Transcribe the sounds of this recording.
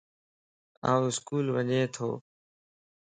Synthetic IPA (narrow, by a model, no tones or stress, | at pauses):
ã̰ːũɪskuːlʋəɲẽːt̪ʰo̰ː